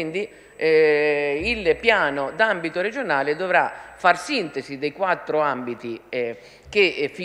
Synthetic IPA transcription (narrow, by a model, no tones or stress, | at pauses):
ind̪i | ɛ | ilpjaːnod̪ambit̪oɾed͡ʒonaːled̪ovɾafarsint̪ezid̪ejkwat̪ːɾoambit̪i | k̟efi